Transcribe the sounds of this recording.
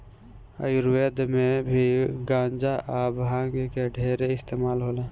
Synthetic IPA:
ə̰jɾweːd̪mẽbʱiɡãːnd͡ʒaʔaːbɦãːŋɡkeɖʱeːɾeɪst̪eːmaːlɦoːlaː

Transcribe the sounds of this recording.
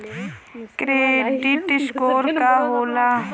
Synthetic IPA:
kɾeːd̪it̪ɪʃkoːɾkaɦoːla

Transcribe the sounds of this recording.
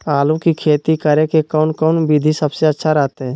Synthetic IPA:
aːlũkikʰeːt̪ikəɾekekɔːnkɔːnbid̪ʱisəbseətːʃʰaɾɛɦt̪eɦɛ̃ː

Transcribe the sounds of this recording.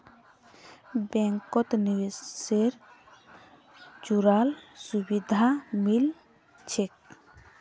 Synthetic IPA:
bɛŋkɔt̪niweseɾ | d͡ʒuɾalsubid̪ʱamil | t͡ʃʰek̚

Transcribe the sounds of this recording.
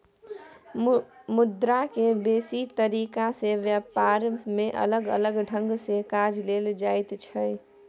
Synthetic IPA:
mʊd̪ɾakebeːsit̪əɾiːkaseʋjəpaːɾmẽʔɐ̰ləɡə̰ləɡɖʱə̃ŋɡsekaːd͡ʒleːld͡ʒaːɪt̪t͡ʃʰə

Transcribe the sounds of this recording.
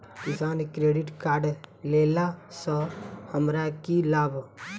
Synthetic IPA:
kisaːnkɾeːɖɪʈkaːɾɖlelasɔhəmɾakilaːbʱ

